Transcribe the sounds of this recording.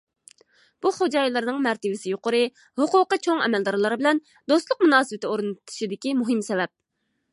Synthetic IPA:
b̥uχod͡ʒɑjlˠɨɾnɨŋmɛɾt̪ʰɪvɪsɪjoqʊɾɨ | hʊqʊqət͡ʃʰoŋɛ̰mɛld̪ɑɾlˠɑɾbɪlɛn | d̪ost̪lˠʊqmunɑːsɨvɪt̪ʰɪoɾɨnɨt̪ʰu̥ʃid̪ɪkʲimuɦɪmsɛvɛp̚

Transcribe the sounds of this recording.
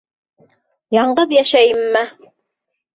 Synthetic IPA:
jɑɴɢɤðjæʃæjɘmːæ

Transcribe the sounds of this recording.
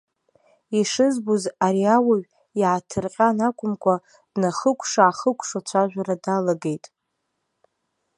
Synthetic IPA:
iʂɨzbuzaɾiawaɥʷᶣ | iʕatʰɨrqʲʼanakʷʰʼʊmkʷʰa | dnaχəkʷʰʂaːχəkʷʰʼʂat͡ʃʷʰaʒʷᶣaɾadalaɡe̞jtʼ

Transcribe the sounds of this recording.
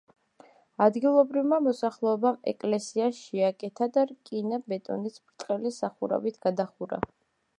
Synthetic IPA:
ad̪ɡilˠɔbɾivmamɔsaχlˠɛɔbamɛ̰kʼlɛsiaʃɛakʼɛt̪ʰad̪aɾkʼinabɛt̪ʼɔ̰nit̪sʰbɾt̪ʼqʼɛlisaχuɾa̰vit̪ʰɡ̥ad̪aχuɾa̰

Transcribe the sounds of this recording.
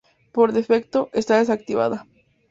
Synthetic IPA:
poɾðefek̚t̪o̞ʔest̪aðes̬ak̚t̪iβa̰ða

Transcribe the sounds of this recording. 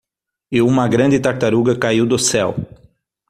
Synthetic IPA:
ɪũmɐɡɾɐ̃nd̪ɪt̪aɾt̪aɾuɡɐkaiwd̪ʊsɛw

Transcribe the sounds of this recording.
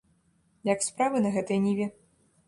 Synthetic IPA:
jakspɾavɨnɐɣɛt̪ɨjnʲivʲi

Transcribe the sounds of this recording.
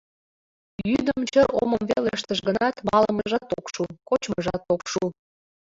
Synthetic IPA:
jyd̪əmt͡ɕəʔoməmβeleʃt̪əʃɡənɑt̪mɑləməʒɑt̪ːokʃukot͡ɕməʒɑt̪okʃu

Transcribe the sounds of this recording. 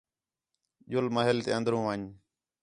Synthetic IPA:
ʄʊlməɦɪlt̪ḛːə̃nd̪ɾũːʋəːɲ

